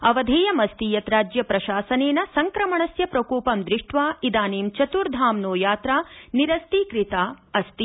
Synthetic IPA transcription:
ɐʋɐd̪ʱeːjɐmɐst̪iːjɐt̪ɾaːd͡ʒjɐpɾɐʃaːsɐneːnɐsɐŋkɾɐmɐɳɐsjɐpɾɐkuːpɐmd̪ɾɪʂʈʋaːid̪aːneːmt͡ʃɐt̪uɾd̪ʱaːmnoːjaːt̪ɾaːniɾɐst̪ikɾit̪aːɐst̪i

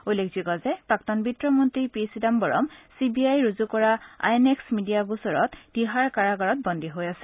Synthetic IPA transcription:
ujlekʰzikɔzɛpɹaktɔnbitɹɔmɔntɹipisidambɔɹɔ̰msibiajɹuzukɔɹaa̰jeneksmidijaɡusɔɹɔtd̥iɦaɹkaɹaɡaɹɔt̚bɔndʱiɦojasɛ̥

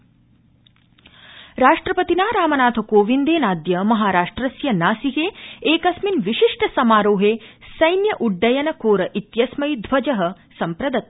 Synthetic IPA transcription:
ɾaːʂʈɾɐpɐt̪inaːɾaːmɐnaːt̪ʰɐkoːʋind̪eːnaːd̪jɐmɐɦaːɾaːʂʈɾɐsjɐnaːsiɦeːeːkɐsminʋiʃiʂʈɐsɐmaːɾoːɦeːsɐjnjɐʔuɖːɐjɐnɐkoːɾɐʔit̪jɐsmɐjd̪ʱʋɐd͡ʒɐɦɐ | sɐmpɾɐd̪ɐt̪̚

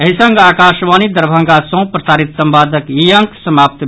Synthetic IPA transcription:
ɐɦisɐ̃ŋɡaːkaːʃʋaːnid̪ɐɾbʱɐ̃ŋɡasõːpɾɐsaːɾit̪sɐmbaːd̪ʱəkijɐ̃ŋksɐmaːp̚t̪

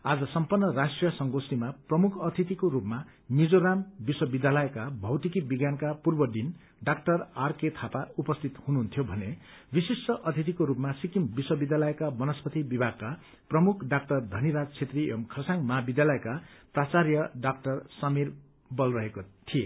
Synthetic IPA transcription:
ad͡zʌsʌmpʌrnːʌɾasʈrijʌsʌŋɡosimaprʌmukʰʌt̪ʰit̪̬ikoɾupma | nid͡zoɾambiswʌbid̪jalʌjekabʱʌwt̪ikibiɡjankapurbʌd̪in | ɖak̚ʈʌrarket̪ʰapaupʌst̪ʰit̪hunuɦːnt̪ʰjobʱʌne | bisisʈʌʔʌt̪ʰit̪̬ikoɾupmasikimbiswʌbid̪jalʌjekabʌnʌspʌt̪ibibʱaɡ̚ka | prʌmukʰɖak̚ʈʌrd̪ʱʌniɾad͡zt͡sʰet̪riʌmkʰʌrsaŋmʌɦabid̪jalʌekaprat͡sarjʌɖak̚ʈʌrsʌmir | bʌlrʌɦekot̪ʰije

